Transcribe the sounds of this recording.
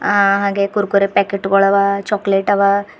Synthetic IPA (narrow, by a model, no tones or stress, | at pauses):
aɦaɡekuɾkuɾepɛkeʈɡɔɭɐʋat͡ʃɔkleʈaʋa